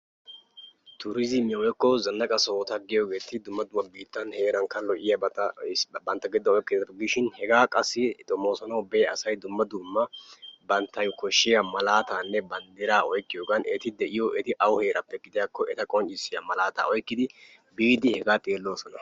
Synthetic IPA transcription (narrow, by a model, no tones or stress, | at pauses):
t̪ʊɾɪzɪmɛwɛkːɔzɐnːɐkʼɐso̞ːt̪ɐɡɪjoɡe̞ːt̪ɪd̪ʊmːɐd̪ʊmːɐbiːt̪ːɐnhe̞ːɾɐŋkːɐlɔʔɪjɐbɐɐbɐnt̪ːɐɡɪd̪ːɐɔjkːɪd̪ɐɐɡɪʃɪnhɛɡaːkʼɐsːɪt̪ʼɔmoːsɔnɐwbeːɐsɐjd̪ʊmːɐd̪umːɐbɐnt̪ːɐjkɔʃːɪjɐmɐlaːt̪aːnːɛbɐnd̪ɛɾaːɔjkːɪjoːɡɐnɛt̪ɪd̪ɛʔɪjɔʔɛt̪ɪʔɐwhe̞ːɾʔɐpːɛɡɪd̪ɪjakːɔʔɛt̪ɐkʼɔnt͡ʃʼːɪsːɪjɐmɐlaːt̪a̰ːɔjkːɪd̪ɪ | biːd̪ɪhɛɡaːt̪ʼeːlːo̞ːsɔnɐ